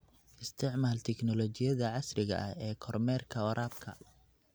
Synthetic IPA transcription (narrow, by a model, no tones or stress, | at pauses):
ʔɪst̪ʰɪʕmaːlt̪ʰɛknɔlɔt͡ʃɪjɐðɐʕɑsrɪɣɐ̰ʔɐhɛːkʰɔrmɛːrkʰɐɐɾʔaːb̚kʰɐ̰